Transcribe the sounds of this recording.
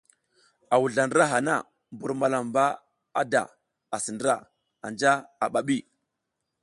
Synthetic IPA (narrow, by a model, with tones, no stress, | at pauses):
a˨wu˨ɮa˨ndə˦ɾa˦ɦa˨na̰˦˨ | mbu˨ɾma˨la˨mba˦ | a˦da̰˨ | a˨si˨ndə˦ɾa˦˨ | a̰˨nd͡ʒa˦a˨ɓa˨ɓi˦˨